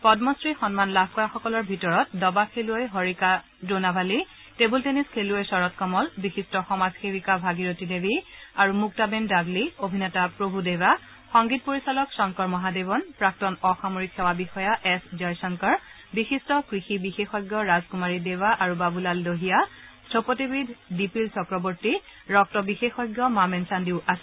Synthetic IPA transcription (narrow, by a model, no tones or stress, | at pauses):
pɔdmɔstɹixɔnmanlabʱkɔjaxɔkɔlɔɹbʱitɔɹɔt̚dɔbakʰeluojɦɔɹika | donabʱali | tebulteniskʰeluojsɔɹɔtkɔmɔlbixistɔxɔmazxebikabʱaɡiɹotidebiaɹumuk̚tabɛndaɡliobʱinɛtapɹobʱudewa | xɔŋɡit̚poɹisalɔksɔŋkɔɹmɔɦadebɔnpɹak̚tɔnɔxamoɹikʰxɛwabixɔjaʔɛszɔjsɔŋkɔɹ | bixistɔkɹixibixexɔjɡjɔɹazkumaɹidewaʔaɹubabulaldoɦijastʰopɔtebidʱdipilsɔkɹɔbɔɹtiɹɔk̚tɔbixexɔjɡjɔmamɛnsandiʊʔasɛ